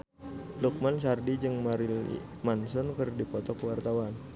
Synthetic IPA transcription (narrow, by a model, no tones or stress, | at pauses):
luk̚mans̬ardid͡ʒɨŋmaɾil̰ | mansɔnkərdipɔt̪ɔkəwart̪awan